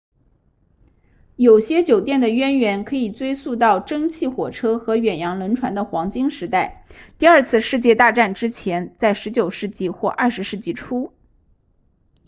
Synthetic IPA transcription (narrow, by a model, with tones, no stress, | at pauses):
jo˨˩ʊɕjɛ˥t͡ɕjo˨˩ʊt̪jɛ˥˩nd̪ə˩ɥɛ˥nɥɛ˧˥nkʰɤ˧˥i˨˩t͡swe˥ɪsu˥˧t̪̬ɑ˥˩ʊʈ͡ʂɤ˥ŋt͡ɕʰi˥˩xwɔ˨˩ʈ͡ʂʰɤ˥xɤ˧˥ɥɛ˨˩njɑ˧˥ŋlə˧˥nʈ͡ʂʰwa˧˥nd̪ə˨xwɑ˧˥ŋt͡ɕi˥ŋʂɻ̩˧˥t̪a˥˩ɪt̪i˥˧ɐ˞˥˧t͡sʰɹ̩˥˧ʂɻ̩˥˧t͡ɕjɛ˥˧t̪a˥˧ʈ͡ʂa˥˩nʈ͡ʂɻ̩˥t͡ɕʰjɛ˧˥nt͡sa˥˩ɪʂɻ̩˧˥t͡ɕjo˨˩ʊʂɻ̩˥˧t͡ɕi˥˧xwɔ˥˧ʔɐ˞˥˩ʂɻ̩˧˥ʂɻ̩˥˧t͡ɕi˥˩ʈ͡ʂʰu˥